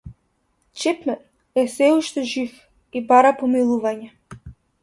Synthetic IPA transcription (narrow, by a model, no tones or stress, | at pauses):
t͡ʃɛpmɛɾ | ɛsɛuʃt̪ɛʒif | ibaɾapɔmilˠuvaɲɛ